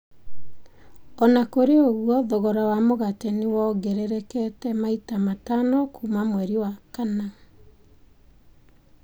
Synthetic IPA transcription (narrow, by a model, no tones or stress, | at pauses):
ɔnakoɾeoɣwɔðɔɣɔɾawamoɣatenewɔɡɛɾɛɾɛkɛtɛmaitamatanɔkʰumamwɛɾiwakana